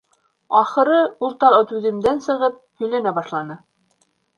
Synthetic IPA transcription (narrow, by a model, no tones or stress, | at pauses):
ɑχɤ̆ɾɤulˠt̪ɑɤt̪ʉðɘ̆md̪ænsɤ̆ʁɤp̚hɵ̆jlænæbɑʃlˠɑnɤ